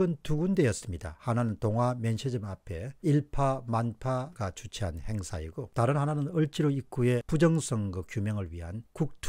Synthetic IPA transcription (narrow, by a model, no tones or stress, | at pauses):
ɯntuɡunde̞jʌs͈ɯmɲida̰hananɯntoŋwamjʌnɕʰed͡ʑɯmapʰe̞iɭpʰamanpʰaɡat͡ɕut͡ɕʰiɦanhe̞ŋsʰaiɡotaɾɯnɦananɯnɯɭt͡ɕ͈ʰiɾoik͈ue̞pud͡ʑʌŋsʰʌŋɡɯkjumjʌŋɯɭɥiɦankuk̚tʰ